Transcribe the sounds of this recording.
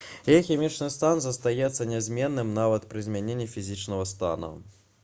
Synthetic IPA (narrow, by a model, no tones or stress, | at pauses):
ɛjxʲɛmʲit͡ʂnɨst̪anzɐst̪ajɛt̪sːɐnʲɛzʲmʲɛnːɨmnavɐt̪pɾɨzʲmʲɛnʲenʲːifʲizʲit͡ʂnɐɣɐst̪a̰nṵ